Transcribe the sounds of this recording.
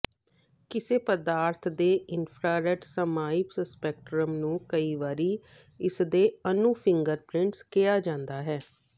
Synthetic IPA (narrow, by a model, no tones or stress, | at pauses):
kɪseːpəd̪aːɾt̪ʰd̪eːɪnpʰɾaːɾɛʈsəmaːipsəspɛːk̚ʈɾəmnũːkəiːʋaːɾiː | ɪsd̪eːənũːpʰɪŋɡəɾpɾɪɳʈskɪjaːd͡ʒãːnd̪aːɦɛː